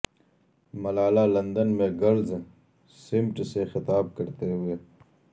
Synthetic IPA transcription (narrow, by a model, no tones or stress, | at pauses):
mɐlaːlaːlɐnd̪ənmeːɡəɽz | sɪmʈsexɪt̪aːb̚kəɾt̪eːɦue